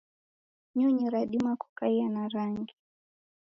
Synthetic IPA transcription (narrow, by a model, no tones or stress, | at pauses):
ɲuɲiɾaɗimaku̥kaianaɾaŋɡi